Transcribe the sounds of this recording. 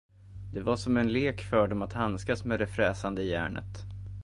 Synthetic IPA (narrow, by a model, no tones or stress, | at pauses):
d̪ɛvaʂɔmɛnleːkfœːɖɔmat̪hanskasmeːd̪ɛfɾɛːsand̪əjæ̰ːɳə̰t̪